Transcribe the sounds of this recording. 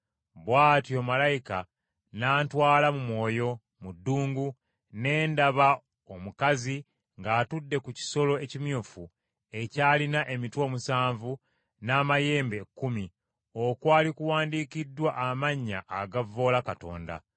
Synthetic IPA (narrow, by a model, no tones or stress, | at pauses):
βwaːtjo̞ːmalajika | naːntwaːlamumwo̞ːjo̞ | mudːuːŋɡu | ne̞ːndaβa | omukazi | ŋɡaːtudːe̞kuci̥so̞lo̞ecimjuːfu | e̞caːlinaʔe̞mitwo̞ːmusaːɱvu | naːmaje̞ːmbe̞kːumi | o̞kwaːlikuwaːndiːkidːwaʔːmaɲːa̰ʔːɡavo̞ːlakato̞̰ːnda̰